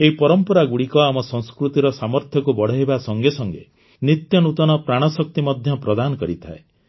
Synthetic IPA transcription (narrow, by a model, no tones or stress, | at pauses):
eɦipɔɾɔmpɔɾaɡuɽikɔamɔsɔ̃ŋskɾut̪iɾɔsamɔɾt̪ʰjɔkubɔɽ̤ɔɦibasɔŋɡesɔŋɡḛ | nit̪jɔnut̪ɔnɔpɾaɽ̃ɔsɔk̚t̪imɔd̪ʱjɔpɾɔd̪anɔkɔɾit̪ʰa̰e